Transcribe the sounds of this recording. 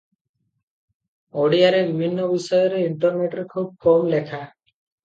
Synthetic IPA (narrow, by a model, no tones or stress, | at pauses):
oɽijaɾebibʱinːɔbisɔjɔɾeiɳʈɔɾneʈɾekʰub̚kɔmlekʰa